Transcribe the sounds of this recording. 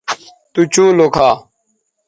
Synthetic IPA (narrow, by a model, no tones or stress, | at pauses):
t̪ut͡ɕũːlokʰaː